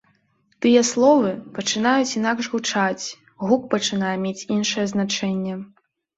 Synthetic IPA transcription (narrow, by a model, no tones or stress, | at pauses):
t̪ɨjɛslˠɔvɨpɐt͡ʂɨn̪ajut͡sʲin̪akʐɣut͡ʂat͡sʲ | ɣuk̚pɐt͡ʂɨn̪ajɛmʲet͡sʲinʂɨjɛznat͡ʂɛnʲːɛ